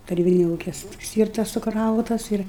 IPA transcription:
tɐˈrʲiːbʲɪnʲɛ ˈuːkʲɛ ˈsʲtʲiːrtɐs sʊˈkrɐʊtɐs ˈɪr

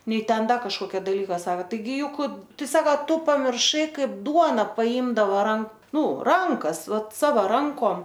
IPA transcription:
ˈnʲɛɪ ˈtʲɛn ˈdɐ kɐʃkoːˈkʲɛ dɐˈlʲiːkɐ ˈsɑːkɐ ˈtɐɪ ˈjʊk ˈtɐɪ ˈsɑːkɐ ˈtʊ pɐmʲɪrˈʃɐɪ ˈkɐɪp ˈduɔnɐ pɐˈiːmdɐʋoː ˈrɐn ˈnʊ ˈrɐŋkɐs ˈʋɐt ˈsɑːʋɐ ˈrɐŋkoːm

